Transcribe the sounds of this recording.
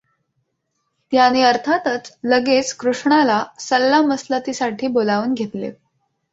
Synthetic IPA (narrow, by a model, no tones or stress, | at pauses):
t̪janiəɾt̪ʰat̪ət͡sləɡet͡skɾuʂɳalasəlːaməslət̪isaʈʰiːbolaʋuːnɡʱet̪lḛ